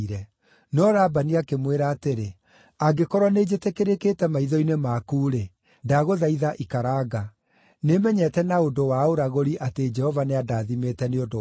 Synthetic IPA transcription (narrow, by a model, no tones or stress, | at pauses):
ɾɛ | nɔɾabaniakemweɾaːteɾe | aɡekɔɾwɔned͡ʑetekeɾeketɛmaiðɔinemakuːɾe | daɣoðaiðaʔikaɾaːɡa | nemɛɲɛtɛnaodowaoɾaɣoɾiʔated͡ʒɛhɔvaneadaːðimetɛneodo